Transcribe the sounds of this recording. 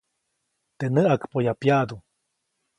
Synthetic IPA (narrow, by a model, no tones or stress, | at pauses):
t̪enəʔakpojapjad̪u